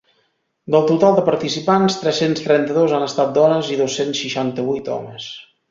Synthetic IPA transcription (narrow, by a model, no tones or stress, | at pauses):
d̪əlˠt̪ut̪alˠd̪əpəɾt̪isipanst̪ɾɛsenst̪ɾɛnt̪əðozanəst̪at̪̚d̪ɔnəziðosːensʃːiʃant̪əβujt̪ɔ̰məs